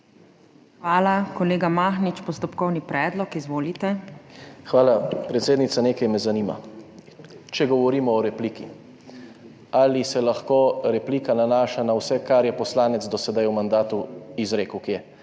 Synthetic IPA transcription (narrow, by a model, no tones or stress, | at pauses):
xʋaːlakɔleːɡamaːxnit͡ʃpɔst̪ɔpkɔwnipɾɛːd̪lɔkizʋoːlit̪ɛ | xʋaːlapɾɛt̪seːd̪nit̪saneːkajmɛzaniːma̰ | t͡ʃɛɡɔʋɔɾiːmɔɔɾɛpliːkḭ | alisɛlaxkoːɾɛpliːkananaːʃanawsɛkaɾjɛpɔslaːnɛt̪zd̪ɔsɛd̪ajumand̪aːt̪uizɾeːkwkiɛ